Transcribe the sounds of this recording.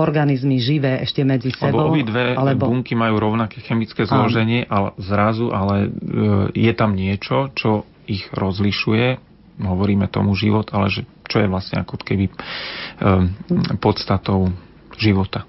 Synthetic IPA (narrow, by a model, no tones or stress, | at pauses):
ɔɾɡanizmiʒiʋɛːʔɛʃcɛmɛd͡zisɛbɔbɔɔbid̪ʋɛɛbuŋkimajuːɾɔʊnakɛːxɛmit͡skɛːzlɔʒɛɲɪɛʔalɛzɾazuʔalɛ | jɛt̪amɲɪɛt͡ʃɔt͡ʃɔ | iɣɾɔzliʃujɛ | ɦɔʋɔɾiːmɛt̪ɔ̰muʒiʋɔt̪alɛʒɛ | t͡ʃɔjɛʋlasɲɛ̰akɔkɛbi | pɔt̪st̪at̪ɔʊ | ʒiʋɔt̪a